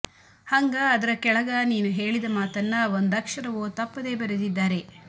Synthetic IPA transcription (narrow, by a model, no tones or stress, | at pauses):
hɐŋɡaːd̪ɐɾɐkɛɭɐɡaːniːnuɦe̞ːɭid̪ɐmaːt̪ɐnːɐʋond̪ɐkʂɐɾɐʋoːt̪ɐpːɐd̪e̞ːbɐɾed̪id̪ːaːɾe̞